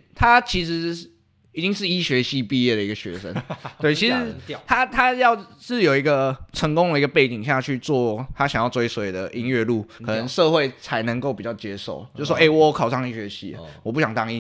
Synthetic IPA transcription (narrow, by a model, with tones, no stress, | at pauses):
t̪ʰa˦t͡ɕʰi˧˥ʂɻ̩˧˦ | i˨˩t͡ɕi˥ŋʂɻ̩˥˧i˥ɕɥɛ˧˥ɕi˥˧pi˥˧jɛ˥˩d̪ə˩i˧˥ɡə˨ɕɥɛ̰˧˥ʂə̰˦nt̪we˥˩ɪt͡ɕʰi˧˥ʂɻ̩˧˦t̪ʰa˥t̪ʰa˥jɑ˥˧ʊʂɻ̩˥˩jo˨˩ʊi˧˥ɡə˧ʈ͡ʂʰə˧˦˥ŋkʊ˥ŋd̪ə˨i˦ɡə˧pe˥˩ɪt͡ɕi˨ŋɕja˥˧˥t͡ɕʰy˥˧t͡swɔ˥˩t̪ʰa˦˥ɕjŋjɑ˥˧t͡swi˧˥swɔ˧˥jo˨˩d̪ə˩ʔi˦˥nɥɛ˥˧lu˥˩kʰɤ˨˩nə˧˦nʂɤ˥˧xwe˥˩ɪt͡sʰa˧˦˥ɪnə˧˦ŋko˥˩pi˨˩t͡ɕɑ˥˩ʊt͡ɕjɛ˥ʂo˨˩ʊjo˥˧ʂ̩˥˩wɔ˥˦e˥˩ɪwɔ˨˥˩kʰɑ˨ʊʂɑ˥˧ŋi˥˩ɕɥɛ˧˥ɕḭ˥˩ə̰˩wɔ˨˩p̬u˥˩ɕjɑ˨˩ŋt̪ɑ˥ŋi˧